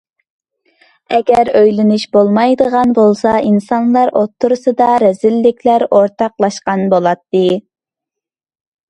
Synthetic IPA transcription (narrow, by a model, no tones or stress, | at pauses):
ɛɡʲæɾøjlɪnɪʃbolˠmɑjd̪əʁɑnbolˠsɑʔinsɑnlˠɑɾʔot̪ʰːuɾɨsɨd̪ɑɾɛzɪlːɪkʲlæɾoɾt̪ʰɑqlˠɑʃqɑnbolˠɑt̪ːɨ